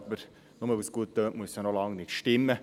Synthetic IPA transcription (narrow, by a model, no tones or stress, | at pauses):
bəɾ | noməʋysɡ̥uət̪̚ːøːtmuəsɛnolɑŋnɪtʃtɪmːə